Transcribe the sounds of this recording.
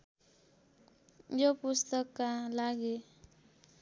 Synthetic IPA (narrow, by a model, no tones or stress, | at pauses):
jopust̪ʌkːalaɡe